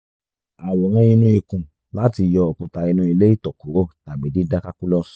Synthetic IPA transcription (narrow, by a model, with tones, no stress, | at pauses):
a˨wɔ˨ɾ̃ĩ˦˧˦ĩ˧nũ˦i˧kũ˨ | la˨˦ti˧jɔ˧ɔ˨kũ˨ta˧i˧nũ˦i˧le˦i˦tɔ˨ko˨˦o˦ta˨mĩ˨˦di˦da˦ka˦ku˦lɔ˦s